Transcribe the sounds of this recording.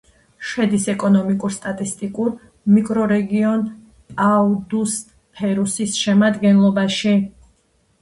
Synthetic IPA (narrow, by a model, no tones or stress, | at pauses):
ʃɛd̪isɛkʼɔnɔmikʼuɾst̪ʼat̪ʼist̪ʼikʼuɾ | mikʼɾɔɾɛɡiɔn | aud̪us | pʰɛɾusisʃɛmad̪ɡɛnlˠɔbaʃi